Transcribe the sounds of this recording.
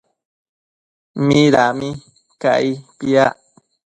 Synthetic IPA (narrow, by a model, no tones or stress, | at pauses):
miɾami | ka̰ipia